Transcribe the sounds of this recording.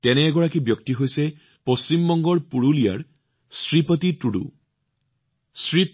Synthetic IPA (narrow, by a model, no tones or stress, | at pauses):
t̪ɛnɛːɡɔɹakibjɔk̚t̪iɦojse | post͡ɕimːɔŋɡɔɹpuɹulija̰ɹ | sɹipɔt̪itɹuɖṵ | sɹi